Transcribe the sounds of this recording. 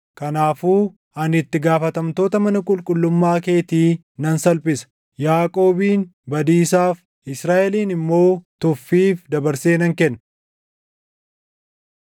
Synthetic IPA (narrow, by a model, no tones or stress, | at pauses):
kɐnaːfuː | ɐnɪt̪ːɪɡaːfɐt̪ɐmt̪o̞ːt̪ɐmɐnɐkʼʊlkʼʊlːʊmːaːke̞ːt̪iː | nɐnsɐlpɪsɐ̥ | jaːkʼo̞ːbiːnbɐd̪iːsaːf | ɪsɾaːʔɛliːnɪmːo̞ːt̪ʊfːiːfd̪ɐbɐɾse̞ːnɐŋkɛnː